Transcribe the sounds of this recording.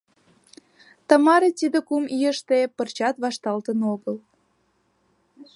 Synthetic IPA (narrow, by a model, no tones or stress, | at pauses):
t̪əmɑɾet̪id̪ə̆kumijəʃt̪epərt͡ɕɑt̪βɑʃt̪ɑlt̪ənoɣəl